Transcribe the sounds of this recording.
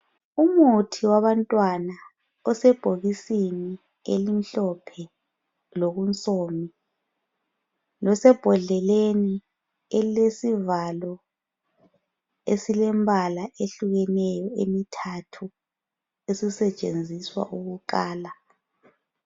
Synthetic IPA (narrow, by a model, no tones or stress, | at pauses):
umutʰiwaβantʼwana | ɔsɛb̥ʱoɣisini | ḛlim̩ɬɔpʰɛ | loɣunt͡sʼoːmi | lɔsɛb̥ʱɔɮɛleni | ɛlesivalɔ | esilɛmbʱalaʔeɬuɣɛnɛjɔḛmitʰatʰu | esisɛt͡ʃʼend͡zʱiswa̰ʔuɣuǃaːla